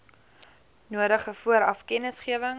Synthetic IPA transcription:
nuəɾəχəfuəɾɐfkɛnəsχiəvəŋ

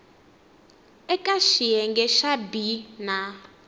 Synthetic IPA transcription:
ɛkʼaʃijɛŋɡɛʃabina

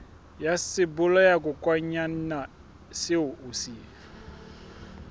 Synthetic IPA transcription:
jasɪbʊlɔjak̬ʼʊkʼwaɲanna | sɪʊʔʊsiː

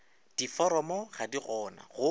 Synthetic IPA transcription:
d̥ifɔɾɔmɔχadiɣɔːna̰ɣʊ

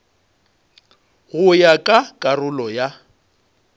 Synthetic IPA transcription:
ɣʊjakʼakʼarʊlɔja

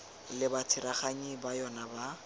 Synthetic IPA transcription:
lɪbat͡sʰɪɾaχaɲibajɔnaba

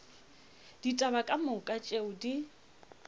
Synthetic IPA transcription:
d̥itʼabakʼamʊkʼat͡ʃʼeʊdi

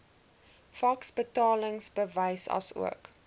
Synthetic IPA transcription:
fɐksbətɑːləŋsbəvəjsɐ̰sṵək

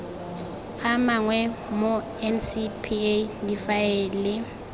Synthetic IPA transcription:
amaŋwɛmo | ɛnsipʰidifaɛːlɪ

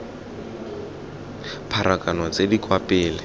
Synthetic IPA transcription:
pʰaɾʔakʼanɔt͡sedikʼwapʼɪːlɪ

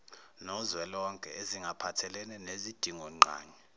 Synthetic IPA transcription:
nɔzwɛlɔŋkʼɛ̰eziŋɡʱapʰatʰɛlɛnɛnezid̥ʱiŋɔŋ͡ǃʱa̰ːɲɛ

